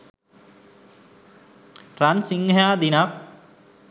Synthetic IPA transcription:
ransiŋːɐjaːd̪inak

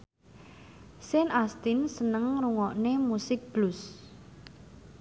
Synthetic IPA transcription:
sɪnast̪insənəŋruŋɔʔnemusɪk̚b̥lʊs

